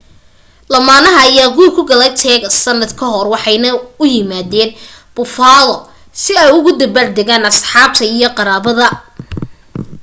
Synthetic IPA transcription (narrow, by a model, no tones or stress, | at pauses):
lɐmaːnɐɦɐːjaːɡuːlkʰʊɡɐlɐt̪ʰɛːɣɐsɐnːɐd̪kʰɐɦɔrwɑħɑjnɐʊjɪmaːðɛːn | b̥ʊfaːlɔ | sɪɛjʊɣʊd̪ɐbard̪ɛɣaːnɐsħɑːb̚t̪ʰɐijɞqɑɾaːβɐðɐ